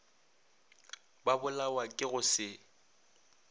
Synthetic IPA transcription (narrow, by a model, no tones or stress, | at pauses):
babʊlawakʼɪɣʊsɪ